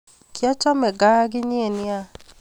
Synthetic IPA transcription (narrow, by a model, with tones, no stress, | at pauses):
kja˦t͡ʃɔ˦mɛ˨ɡa˦a˦ɡɪ˦ni˦e˨nɪ˦a˦